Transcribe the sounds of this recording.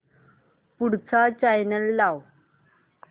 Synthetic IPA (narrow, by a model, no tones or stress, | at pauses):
puɽt͡sat͡ɕajnəlːaw